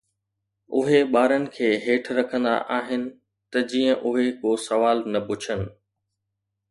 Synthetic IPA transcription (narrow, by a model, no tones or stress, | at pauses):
ʊ̰ɦeɓaːɾənɪ̆kʰeːɦeːʈʰɾɐkʰə̃nd̪a̰ʔaːɦɪnɪ̆ | t̪ɐd͡ʑiːə̃ʔʊɦekoːsɐʋaːlnɐpʊt͡ɕʰənɪ̆